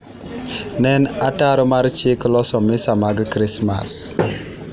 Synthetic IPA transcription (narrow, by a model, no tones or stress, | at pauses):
nɛnataɾɔmaɾt͡ʃɪklɔsɔmɪsamaɡkɾɪsma̰s